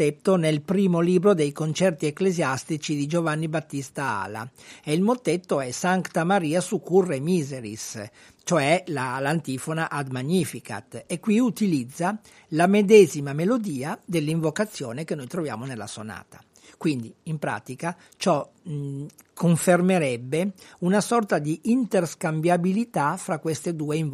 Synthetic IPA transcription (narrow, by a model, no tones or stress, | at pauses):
et̪ːonelpɾiːmoliːbɾod̪ejkont͡ʃɛrt̪ieklezjast̪it͡ʃid̪id͡ʒovanːibat̪ːist̪aa̰ːla̰eilmot̪ːet̪ːoɛsant̪amaɾiːasukːurːemiːzeɾḭs | t͡ʃoɛlalant̪iːfonaʔad̪maɲːifika̰t̪ekːwiut̪ilid̪zːa | lamed̪ɛzimamelod̪iːad̪elːiɱvokat̪sːjoːnekenːojt̪ɾovja̰ːmonelːa̰sona̰ːt̪ḁ | kwind̪iimpɾa̰ːt̪ika | t͡ʃɔ | kʰoɱfermeɾɛbːeunasɔrt̪ad̪iʔint̪erskambjabilit̪afɾakːwest̪ed̪uːeiɱ